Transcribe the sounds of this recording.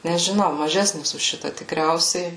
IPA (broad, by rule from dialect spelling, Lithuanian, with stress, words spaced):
nʲɛʒʲɪˈnɐʊ mɐˈʒʲæːsʲnʲɪs ʊʃ ˈʃʲɪtɐ tʲɪkˈrʲɛʊsʲɛɪ